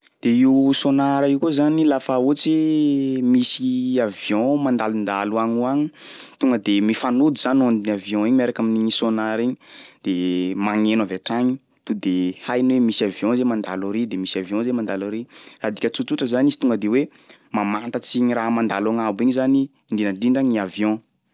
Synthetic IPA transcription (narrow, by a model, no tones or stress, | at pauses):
d̪̥eiwsonaɾəiwkuzanilafaut͡se | misiavjɔ̃mand̪alund̪a̰luaɲuaɲit̪uŋɡəd̪emifanud̪iz̥anand̪inavjɔ̃iɲeɾakaminisonaɾiɲi̥d̪̥emaŋenavaʈ͡ʂaɲi | t̪ud̪ehajnwemisiavjɔ̃zemand̪alaɾid̪emisavjɔ̃zemand̪alaɾirad̪ikʲət͡sut͡suʈ͡ʂəzanisi̥t̪uŋɡəd̪ewemamant̪at͡siɲiramand̪alaŋabiɲizani | ɳɖ͡ʐinaɳɖ͡ʐiɳɖ͡ʐaɲniavjɔ̃